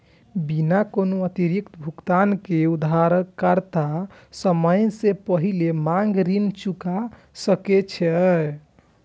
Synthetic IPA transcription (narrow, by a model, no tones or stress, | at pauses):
binakonoət̪iɾikt̪bʱukt̪ankeud̪aɾəkəɾt̪a | səməjsepəɦilemaŋɡɾint͡ʃuka | səket͡ʃʰɛ